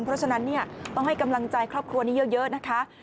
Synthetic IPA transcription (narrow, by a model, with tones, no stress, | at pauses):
nmpʰɾɔ˦˥t͡ɕʰa˧na˦˥nːi˥˩ɐt̪ɔ˥˩ŋɦa˥˩jka˧mla˧ŋt͡ɕa˧jkʰɾɔː˥˩p̚kʰɾu˧ɐniː˦˥jɤ˦˥jɤ˦˥ʔna˦˥kʰa˦˥